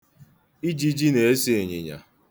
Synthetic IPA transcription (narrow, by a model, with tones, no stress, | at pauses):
i˦d͡ʒi˦d͡ʒi˦ne˨e˦si˦e˨ɲḛ˨ɲa̰˨